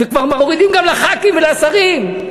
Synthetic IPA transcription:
vekvaʁmaoʁid̪imɡamlaχakimvelasaʁim

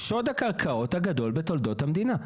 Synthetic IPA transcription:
ʃodhakaʁkʰao̞thaɡado̞lbeto̞ld̪o̞thamd̪ina

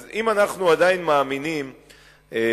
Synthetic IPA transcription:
zimanaχnuad̪ainmaːminim | e

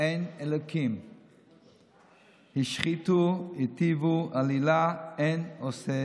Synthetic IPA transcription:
ejnelokʰim | hiʃχit̪uhit̪ivualilaenose

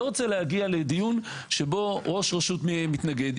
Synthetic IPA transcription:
oʁot͡selehaɡiale̞d̪ijun | ʃebo̞ʁo̞ʃʁeʃutmeemit̪naɡe̞d

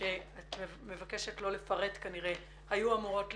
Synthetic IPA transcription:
eat | me̞vake̞ʃe̞tlo̞le̞faʁe̞t̪kaniʁe | hajuamuʁo̞tl

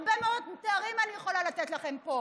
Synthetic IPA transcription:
bemeodmut̪aːʁimanijeχo̞lalat̪etlaχe̞mpo

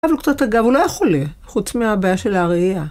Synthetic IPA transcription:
avlokt͡sataɡavulojeχoleχut͡smeabajaʃelaʁia

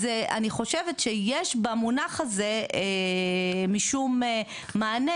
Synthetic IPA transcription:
zea̰niχo̞ʃevet̪ʃejeʃbamunaχaze̞e | miʃum | maːne

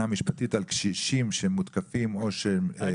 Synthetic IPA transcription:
amiʃpat̪it̪alkʃiʃimʃeemːut̪kafimoʃe

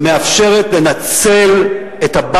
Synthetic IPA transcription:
meafʃe̞ʁetle̞nat͡se̞l | etaba

